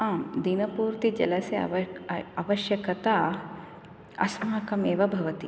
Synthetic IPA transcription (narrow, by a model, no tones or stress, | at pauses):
aːmd̪inɐpuːɾt̪id͡ʒɐ̰lɐsjɐɐ̰ʋɐɐʋɐʃjɐkɐt̪a | ɐ̰smaːɐkɐmeːʋɐbʱɐʋɐt̪i